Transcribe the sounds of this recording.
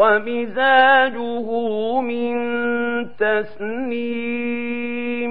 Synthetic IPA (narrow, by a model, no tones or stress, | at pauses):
amɪzaːd͡ʒʊɦʊmɪnt̪asniː